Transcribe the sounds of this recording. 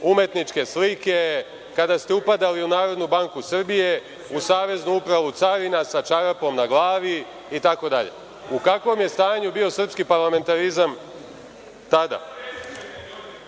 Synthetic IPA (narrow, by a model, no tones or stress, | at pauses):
umje̞t̪nit͡ʃke̞slike̞ | kad̪ast̪e̞upad̪aliunaːɾo̞d̪nubaŋkusr̩bije̞ | usaːʋe̞znuupɾaʋut̪saɾinasat͡ʃaɾpo̞mnaɡlˠaːʋi | it̪ako̞d̪aʎe̞̰ | ukakʋo̞mje̞st̪aːɲubio̞srpskipaɾlame̞nt̪aɾizam | t̪ad̪a̰